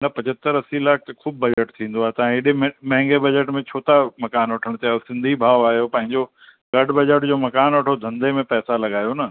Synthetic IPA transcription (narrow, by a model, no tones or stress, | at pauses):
nɐpɐ̃d͡ʑət̪əɾɐsilaːk̚ʰt̪ɐkʰuːb̚ːɐd͡ʑəʈt̪ʰĩːn̆d̪oaːɦet̪ɐãɪɗɪmmɐ̃ɦɪ̃ŋɡebɐd͡ʑəʈmẽt͡ɕʰoːt̪amɐkaːnʋɐʈʰəɽ̃t̪iaːjosɪ̃nd̪ʱibʱaːoaːɦijopɐ̃ɦɪ̃ɲd͡ʑo | ɡɐɖbɐd͡ʑəʈd͡ʑoːmɐkaːnʋɐʈʰod̪ʱɐ̃nd̪ʱemẽpɛːsalɐɡaːjonɐ